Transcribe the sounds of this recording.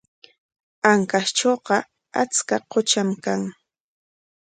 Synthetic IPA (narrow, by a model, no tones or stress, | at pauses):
aŋkasʈ͡ʂoːqɑ | at͡skaqot͡ʃamkaŋ